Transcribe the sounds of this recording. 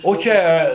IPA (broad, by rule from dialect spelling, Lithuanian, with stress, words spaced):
oː ˈt͡ʃʲɛ